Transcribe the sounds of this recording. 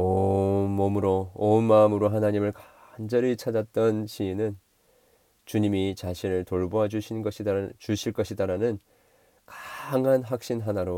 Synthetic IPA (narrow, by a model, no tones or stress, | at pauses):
onmʌmɯɾoonmaɯmɯɾoɦanaɲimɯɭkand͡ʑʌɾit͡ɕʰad͡ʑat̚t͈ʌnɕʰiːnɯn | t͡ɕuɲimit͡ɕaɕʰinɯɭtoɭboɦad͡ʑuɕʰinnɡʌɕʰit͡ɕuɕʰiɭk͈ʌɕʰidaɾanɯn | kḁŋanɦak̚ɕ͈inɦanaɾo